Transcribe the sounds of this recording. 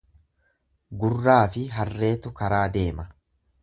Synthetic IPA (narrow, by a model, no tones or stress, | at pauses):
ɡʊrːaːfɪɦɐrːe̞ːt̪ʊkɐɾaːd̪e̞ːmɐ